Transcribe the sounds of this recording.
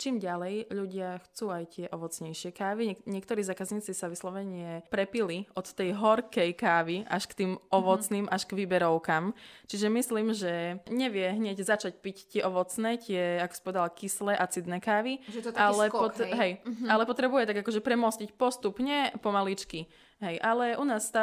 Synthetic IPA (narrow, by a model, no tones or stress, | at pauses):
t͡ʃiːmɟalɛjʎuɟɪaxt͡suːajt̪ɪɛʔɔʋɔt͡sɲɛjʃɪɛkaːʋiɲɛɲɪɛkt̪ɔɾiːzaːkazɲiːt͡sisaʋislɔʋɛɲɪɛpɾɛpiliʔɔt̪ːɛjɦɔɾkɛjkaːʋia̰ʃkt̪iːmɔʋɔt͡sniːmʔaʃkʋibɛɾɔʊkamt͡ʃiʒɛmisliːmʒɛɲɛʋɪɛɦɲɛɟzat͡ʃacpict̪ɪɛʔɔʋɔt͡snɛːc̪ɪɛakɔ̥si̥pɔʋɛd̪alkislɛːʔat͡sid̪nɛːkaːʋiʒɛtaalɛɔɦɛjalɛpɔt̪ɾɛbujɛt̪aɡakɔʒɛpɾɛmɔscicpɔst̪upɲɛpɔmalit͡ʃki | ɦɛjʔalɛʔunaːst̪a